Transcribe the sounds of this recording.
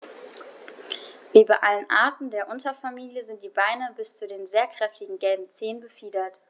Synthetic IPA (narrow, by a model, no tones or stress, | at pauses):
viːbaʔalənʔa̰ːɐtn̩deːɐʔʊntɐfamiːljəzɪnt̚d̥iːbaɪnəbɪst͡sudeːnzeːɐkʁ̥ɛftɪɡŋ̩ɡɛlbm̩t͡seːnbəfiːdɐt